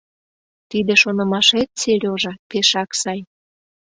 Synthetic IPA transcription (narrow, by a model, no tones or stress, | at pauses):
t̪id̪eʃonə̆mɑʃet̪̚t͡selʲoʒɑpeʃɑksɑj